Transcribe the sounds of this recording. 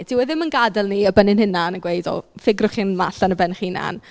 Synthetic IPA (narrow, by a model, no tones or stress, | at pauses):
d̥ʰiwɛðɪmənɡadɛlˠniəbənɪnɦɪnanəɡwejdɔ̰lˠfɪɡrʊχinmaɬanəbɛnχina̰n